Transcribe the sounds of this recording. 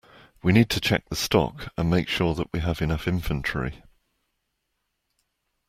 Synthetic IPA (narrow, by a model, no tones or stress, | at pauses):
winiːd̚tʰət͡ʃʰɛ̰k̚ðəstɒ̰kə̃nmeɪkʃɔːðəʔwiəvɪnʌfɪ̃ɱfə̃nt͡ʃɹ̥ḭ